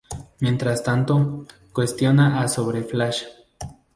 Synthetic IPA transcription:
mjent̪ɾast̪ant̪o | kwest̪jonaʔasoβɾeflaʃḁ

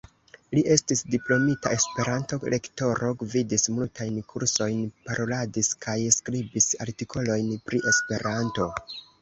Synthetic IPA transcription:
liʔe̞stisdiplo̞mitae̞spe̞ɾanto̞lʔe̞kto̞ɾʔoɡvidismultʰajnkʰuɾso̞jnpaɾʔo̞ladiskʰajskɾibisa̰ɾtikʰo̞lo̞jnpɾiʔe̞spe̞ɾanto̞

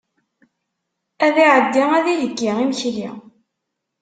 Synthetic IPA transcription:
æðiʕəd̪ːiæðiləkːiʁimçlḭ

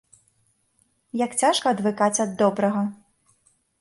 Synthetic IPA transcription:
jakt͡sʲaʂkɐːd̪vɨkat͡sʲɐd̪ːɔbɾɐɣɐ

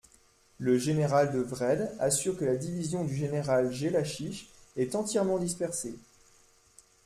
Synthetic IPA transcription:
ləʒeneʁald̪əvʁɛd̪asyʁkəlad̪ivizjɔ̃d̪yʒeneʁalʒelaʃiʃɛt̪ɑ̃t̪jɛʁmɑ̃d̪ispɛʁse

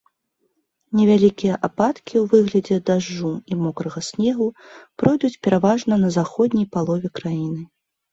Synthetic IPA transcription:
nʲɛvʲalʲikʲijɐʔapat̪kʲiwvɨɣlʲɐd͡zʲɛd̪aʐːuimɔkɾɐɣɐsʲnʲɛɣupɾɔjd̪ut͡sʲpʲɛɾavaʐnɐnɐzaxɔd̪ʲnʲijpalˠɔvʲɛkɾajinɨ

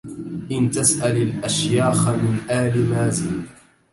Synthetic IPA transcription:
ʔɪnt̪asʔalalʔaʃjaːxamɪnʔaːlɪmaːzɪː

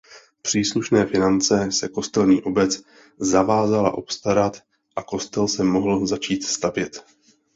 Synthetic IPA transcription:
pr̝̥iːsluʃnɛːfɪnant͡sɛsɛko̞st̪ɛlɲiːʔo̞bɛt͡s | zavaːzala̰ʔo̞pst̪aɾat̪ | ʔako̞st̪ɛlsɛmo̞ɦl̩zat͡ʃiːt̪st̪avjɛt̪

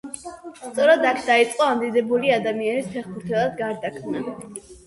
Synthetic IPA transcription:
st̪sʼɔɾad̪akʰd̪ait̪sʼqʼɔamd̪id̪ɛbuliad̪amianispʰɛχpʰuɾt̪ʰɛlˠad̪ɡaɾd̪akʰmna

